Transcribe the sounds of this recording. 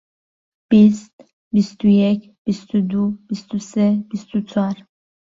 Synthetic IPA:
b̥ist̪ | bist̪ʰujɛkʲ | bist̪ʰud̪ub̥ist̪ʰusɛb̥ist̪ʰut͡sʰar

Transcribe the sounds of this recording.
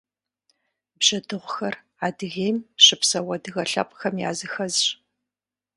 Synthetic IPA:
bʑ̥ɐdɨʁʷʊxɐr | aːdɨɣeːjmɕɨpsɐwɐdɨɣɐɬɐ̰pʼxɐmja̰ːzɨxɐzɕ

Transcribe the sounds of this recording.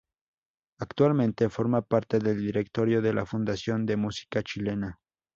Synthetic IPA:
akt̪walmẽnt̪e̞foɾmapaɾt̪e̞ðeld̪iɾekt̪o̞ɾjo̞ðe̞lafund̪asjond̪e̞musi̥kat͡ʃile̞na

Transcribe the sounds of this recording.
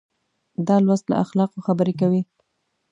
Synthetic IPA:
d̪ɑlwast̪la̰ʔaxlɑqoxabəɾekawi

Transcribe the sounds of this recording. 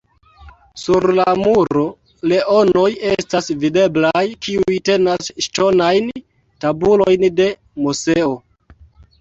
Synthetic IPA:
suɾlamuɾo | le̞ʔo̞no̞je̞stasvide̞blajkiujte̞nasʃto̞najn | tabulo̞jnde̞ | muse̞o

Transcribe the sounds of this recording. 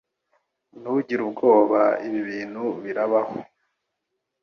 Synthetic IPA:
nuβuɟiɾubɡo̞ːβaiβiβiːn̤̥huβiɾaβaho

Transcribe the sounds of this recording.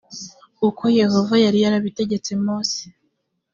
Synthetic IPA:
uko̞je̞ho̞vajaɾijaɾaβite̞ɟe̞t͡se̞moːsi̥

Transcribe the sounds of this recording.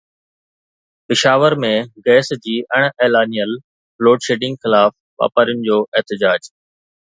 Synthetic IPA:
pɪʃaːʋəɾmẽɡɛːsd͡ʑiːʔəɽ̃eːlaːnijəl | bloːɖʃeːɖɪ̃ŋɡxɪlaːf | ʋa̰ːpaːɾiʊnɪ̆d͡ʑoːʔɛɦt̪ɪd͡ʑaːd͡ʑ

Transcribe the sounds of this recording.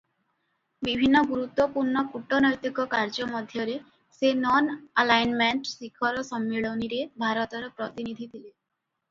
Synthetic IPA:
bibʱinːɔɡuɾut̪wɔpuɾɳɔkuʈɔnɔjt̪ikɔkaɾd͡ʒɔmɔd̪ʱjɔɾe | senɔnalajnmeɳʈsikʰɔɾɔsɔmːiɭɔniɾebʱaɾɔt̪ɔɾɔpɾɔt̪inid̪ʱit̪ʰile

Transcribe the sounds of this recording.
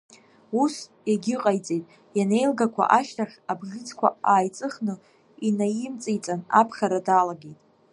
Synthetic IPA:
us | jaɡʲɪqʼajt͡sʼejtʼ | jane̞jlɡakʷʰa̰ʔaʃtaχʲabʒɪt͡skʷʰa̰aːjt͡sʼɨχnɨ | inajɪmt͡sʼijt͡sʼana̰pʰχʲaɾadalaɡejtʼ

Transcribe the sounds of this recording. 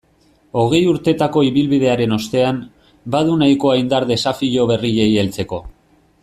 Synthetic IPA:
o̞ɣ̞e̞juɾt̪e̞t̪ako̞iβilβiðe̞aɾe̞no̞st̪e̞am | baðunajko̞ajnd̪aɾðe̞safiʎo̞βe̞riʝe̞jelt͡se̞ko̞

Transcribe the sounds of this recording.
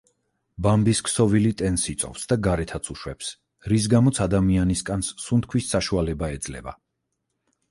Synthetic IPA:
bambiskʰsɔvilit̪ʼɛnsit̪sʼɔ̰fsd̪aɡaɾɛt̪ʰat̪sʰuʃwɛps | ɾis̬ɡamɔt̪sʰad̪amianiskʼanssunt̪̚kʰwisːaʃualɛbaɛd̪zlɛ̰ba̰

